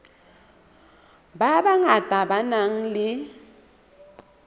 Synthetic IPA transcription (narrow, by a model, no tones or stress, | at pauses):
babaŋad̥ʱabanaŋ̩lɪ